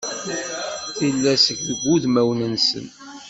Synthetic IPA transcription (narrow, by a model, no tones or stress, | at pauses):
θilːæsəçðəɡʷːuðmæwnənsə̰n